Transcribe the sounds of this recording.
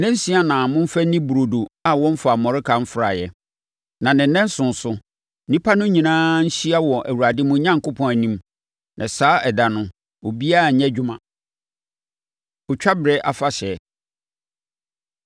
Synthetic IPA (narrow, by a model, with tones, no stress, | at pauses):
nɛ̃˦n̩˦sĩ˦a˨nã˨mʊ̃˦m˦fæ˦nĩ˦bu˨ɾo˨do˨a˨wɔ̃˦m̩˦fa˨mɔ̃˨ɾɪ˦kʰã˨m̩˦fɾa˨jɛ˨ | nã˨nɪ̃˨˦nɛ̃˦n˦sʊ̃˨n̩˨sʊ˦ | nĩ˦pʰa˦nʊ̃˦ɲĩ˨nãː˦n̩˦ɕi˦a˦wɔ˨ʔæ˨wu˨ɾa˨dɪ˦mʊ̃˦ɲã˦ŋkʊ˦pʰɔ̃˦næ˨nĩ˦m | nʔɛ̃˨saː˦ɛ˨da˨nʊ̃˦ | o˨bi˦a˦˨ɲ̩˨ɲɛ̃˦d͡ʑᶣʊ˦mã˨ | ɔ˨t͡ɕᶣa˦bɪ˨ɾɛ˦ʔa˨fa˦ɕɛ˨˦